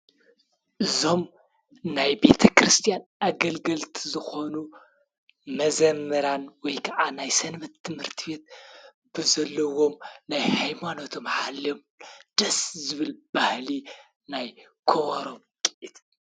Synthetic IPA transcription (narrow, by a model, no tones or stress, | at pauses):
ʔɨzo̞m | najbe̞t̪ʰɐkɾɨst̪ʰijanaɡɐlɡɐlt̪ʰizɨxo̞nu | mɐzɐmːɐɾanwɔjkʰɐʔanajsɐnβɐt̪ʰːɨmhɨɾt̪ʰibe̞t̪̚ | b̥ɨzɐlːɐwo̞mnajhajmanot̪ʰo̞mħalom | d̪̥ɐszɨβɨlb̥ahli | naj | kʰoβɐɾo̞m | kʼiʔit̪